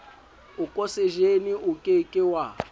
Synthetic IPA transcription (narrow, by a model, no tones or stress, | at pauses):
ukʼosɛʒeniʔukʼekʼɪwa